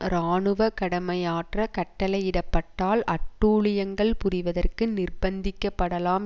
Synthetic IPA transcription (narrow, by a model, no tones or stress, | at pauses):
ɾaːɳɯʋɐkɐɽɐmɐjaːʈrɐkɐʈːɐlɐɪjɪɽɐpːɐʈːaːlʔɐʈːuːɭɪjɐŋɡɐɭpʊrɪʋɐðɐrkɯnɪrbɐnd̪ɪkːɐpːɐɽɐlaːm